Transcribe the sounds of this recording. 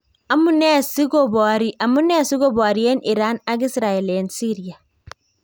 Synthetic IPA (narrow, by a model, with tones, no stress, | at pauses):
a˨mu˦ne˦˨si˦ɡo˦˨bɔ˨ɾi˦ʔa˨mu˦ne˦˨si˦ɡo˦bɔː˨ɾi˦e˦nʔi˨ɾaː˦na˦ɡi˦sɾaː˨e˨le˦nsi˦ɾi˦ja˨